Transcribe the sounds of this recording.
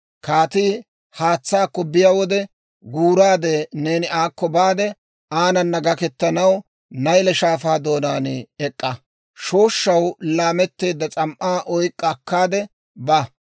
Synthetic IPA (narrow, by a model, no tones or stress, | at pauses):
kaːt̪i | haːt͡sːaːkːɔbɪjaːwɔd̪ɛ | ɡuːɾaːd̪ɛneːnɪaːkːɔbaːd̪ɛ | aːnɐnːɐɡɐkɛt̪ːɐnɐw | nɐjlɛʃaːfaːd̪o̞ːnaːnɛkʼːɐ | ʃo̞ːʃːɐwlaːmɛt̪ːe̞ːd̪ːɐt͡sʼɐmʔaːʔɔjkʼːɐkːaːd̪ɛ | baː